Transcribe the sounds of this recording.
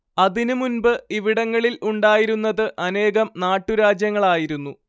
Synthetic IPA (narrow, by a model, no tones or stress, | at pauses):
ɐðinɨmunbɨiʋiɽɐŋːɐɭiluɳɖaːjiɾunːɐðɨʔɐne̞ːɣɐmnaːʈːuɾaːd͡ʑjɐŋːɐɭaːjiɾunːu